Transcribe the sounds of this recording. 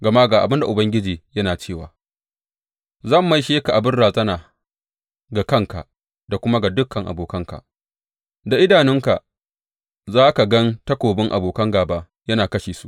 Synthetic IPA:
ɡɐ˨maː˦ɡaː˨ʔa̰˨bɪ˦nda˨ʔʊ˨bɐ˦ŋɡʲɪ˦d͡ʒiː˨jɐ˦naː˨t͡ʃeː˦˨wa̰ː˨ | zɐ˦˨mːa˦jʃeː˦ka˨ʔa˨bɪ˦rɽaː˨zʼɐ˦naː˨ | ɡa˨kɐ˦ŋka̰˨ | da˨kʷʊ˦ma˦ɡa˨dʊ˦kːɐ˨ŋʔa̰˨boː˨kɐ˦ŋka̰˨ | da˨ʔɪ˦daː˨nɪ˦ŋka̰˨ | zaː˦ka˨ɡɐ˦ntɐ˦kʷoː˨bɪ˦ŋʔa̰˨boː˨kɐ˦ŋɡaː˨baː˦ | jɐ˦naː˨kɐ˦ʃeː˨su˦ʔ

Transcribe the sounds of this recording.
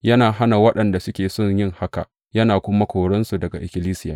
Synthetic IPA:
jɐ˦naː˨ɦa˦na˨wɐ˦ɗɐ˨nda˨sʊ˦kʲeː˨sɔ˦˨ɲjɪ˦ŋha˦ka̰˨ʔ | jɐ˦naː˨kʷʊ˦ma˦kʷoː˨ɽɐ˦nsu˨dɐ˨ɡa˨ʔɪ˨kʲɪ˦liː˦sɪ˦ja̰ː˨

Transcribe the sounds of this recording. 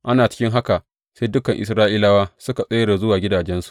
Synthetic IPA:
ʔa˦naː˨t͡ʃɪ̥˦kʲɪ˦ŋɦa˦ka˨ | seː˦jdʊ˦kɐ˨ŋʔɪ̰˨s̬ɾaː˦ʔiː˦la˦waː˦sʊ˦ka˨sʼe˦ɽa˨zʊ˦waː˨ɡʲɪ˦daː˨d͡ʒɛ˦nsu̥˨ʔ

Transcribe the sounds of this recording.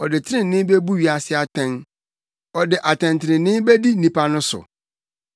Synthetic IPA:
ɔ˨dɪ˨tʰɪ˦ɪ̃˨nɪ̃˦be˦bu˦ɥi˨a˨sɪ˦a˨tʰɛ̃˦n | ɔ˨dɪ˨ʔa˨tʰɛ̃˨ntʰɪ˨ɾɪ̃˨nɪ̃˦be˦di˦n̩˦nĩ˦pʰa˦nʊ̃˦sʊ̰˨

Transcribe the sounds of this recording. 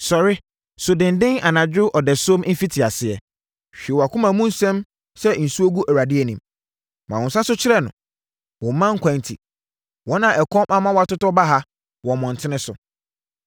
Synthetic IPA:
sɔ˨ɾɪ˦ | sʊ˨dɪ̃˨n˨dɪ̃˦ŋa˨nã˨d͡ʑᶣʊ˦ʔɔ˨dɛ˨sõ˦m̩˦fi˦tʰɪ˨a˨sɪ˨ɛ˨ | ɕᶣi˨wɔ˨a˨kʰʊ̃˦mã˨mũ˦n̩˦sɛ̃˦m | sɛ˦n̩˨su˦o˦ɡu˦ʔæ˨wa˨dɪ˦ɛ˨nĩ˨m | mʔã˨ɔ̃˨sa˦sʊ˦t͡ɕʰɪ˦ɾɛ˦˨nʊ̃˨ | wɔ̃˨m˦mã˦ŋ̩˦kʰʷã˨n˨tʰḭ˨ | wɔ˦nã˨ʔɛ˨kʰɔ̃˦mʔa˦mã˦wɔ˦a˨tʊ˦tɔ˦ba˦ɦa˦ | wɔ̃˨mɔ̃˨n̩˨tʰɪ˦nɪ̃˦sʊ̰˨

